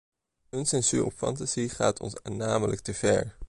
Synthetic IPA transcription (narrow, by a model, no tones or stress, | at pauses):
ənsɛnzyɹʔɔpfɑ̰ntaz̥iχa̰ːtʰɔ̰nsanaːməlʔək̚təv̥ɛ̰ɹ